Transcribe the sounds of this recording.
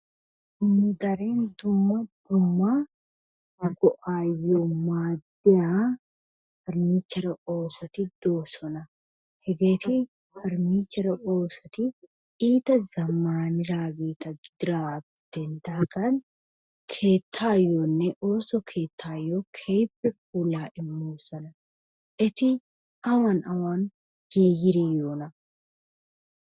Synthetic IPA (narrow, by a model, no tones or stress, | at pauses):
nʊd̪ɐɾeːnd̪ʊmːɐd̪ʊmːa | ɡɔʔaːjːomaːd̪ɛjaː | fɐɾmiːt͡ʃːɐɾɐo̞ːsɐt̪ɪd̪̥o̞ːsɔnɐ | hɛɡe̞ːt̪ɪ | fɐɾmiːt͡ʃːɐɾɐʔo̞ːsɐt̪ɪ | iːt̪ɐzɐmːaːnɪɾaːɡeːt̪ɐɡɪd̪̥ɪɾaːf | d̪̥ɛnd̪aːɡɐn | kʰe̞ːt̪ʰːaːjonːɛʔo̞ːsɔkʰeːt̪ʰːaːjɔkʰɛjpːɛk̚uːlaːʔɪmːoːsɐnɐ | ʔɛt̪ɪ | ɐwɐnɐwan | ɡ̥eːjɪɾeːjoːnɐ